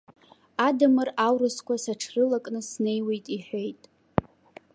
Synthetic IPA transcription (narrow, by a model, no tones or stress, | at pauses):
adamɨrawɾɨskʷʰasaʈ͡ʂʰrɨlakʼnɨsne̞jwe̞jtʼiħʷᶣe̞jtʼ